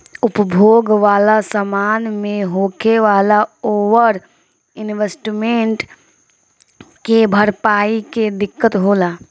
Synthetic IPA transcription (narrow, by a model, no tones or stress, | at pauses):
ʊpəbʱoːɡʋaːlasəmaːnmẽɦoːkʰeʋaːlaoːʋəɾ | ɪnʋesʈmẽɳʈ | kebʱəɾpaːiked̪ɪkːət̪ɦoːlaː